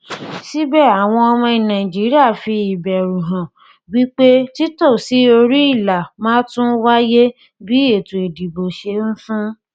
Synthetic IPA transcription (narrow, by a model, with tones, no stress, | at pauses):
si˦bɛ˦˨a˨w̃ɔ̃˧ɔ˧mɔ̃˧˨nã˨ĩ˨d͡ʒi˨˦ɾi˦a˦˨fi˧i˨bɛ˨ɾũ˨ɦã˨ | wi˦k͡pe˦ti˦to˦˨si˨˦o˧ɾi˦i˦˨la˨mãː˦tũ˦wa˦je˦ | bi˦e˦˨tũ˨e˨di˨bo˨ʃe˧n̩˦fũ˦